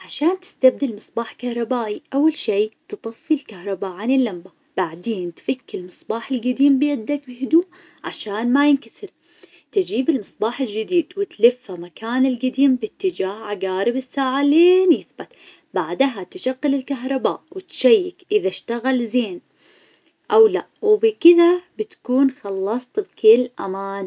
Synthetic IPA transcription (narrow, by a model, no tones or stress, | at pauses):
ʕaʃaːnt̪ɪ̥st̪ab̚d̪ɪlmɨsˤbaːħkahɾˤɑbaːʔiʔawːalʃiːt̪ɨt̪ˤɑfːilkahɾˤɑbaːʔʕanɪlːamba | b̥aʕd̪eːnt̪fakːɪlmɨsˤbɑːħɪlɡad̪iːmbɪjad̪ːakbɪhʊd̪uːʔ | ʕa̰ʃaːnmajɪnkasɪɾ | t̪ɪd͡ʒiːbɪlmɨsˤbɑːħɪld͡ʒɪd̪iːd̪wɪt̪lɪfːamakaːnɪlɡad̪iːmbɪt̪ːɪd͡ʒaːhʕaɡaːɾɪbɪsːaːʕaleːnjɪθbat̪ | baʕd̪ɦat̪ʃaɡːɪlɪlkaɦɾˤɑba̰ːʔwɪt̪ʃajːɪkʔɪðaʃt̪aɣalzeːn | ʔawlaʔwbɪkɪðabɪt̪kuːnxɑlːɑsˤt̪bkɪlʔamaːn